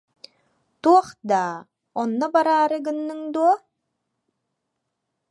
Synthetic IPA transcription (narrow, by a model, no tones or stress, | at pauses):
t̪uɔχd̪aː | ɔnːɔbaɾaːɾɯɡɯnːɯŋd̪uɔ